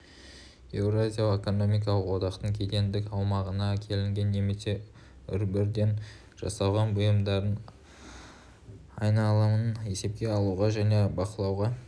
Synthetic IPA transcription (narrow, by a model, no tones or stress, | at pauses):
e̞wrazʲijaeko̞no̞mijk̬ɑlˠəqwo̞d̪ɑqt̪əɴkʲʰe̞t̪e̞nd̪ɪkɑwmɑʁənɑkʲʰe̞lɪŋɡʲe̞nːe̞me̞se̞ | ʏ̰ɾbɪɾd̪e̞n | ʒ̥ɑ̰sɑʁɑnbʊjəmd̪ɑɾən | ɑjnɑlˠɑməne̞se̞p̚kʲe̞ɑlˠuʁɑʒæne̞bɑqəlˠɑwʁɑ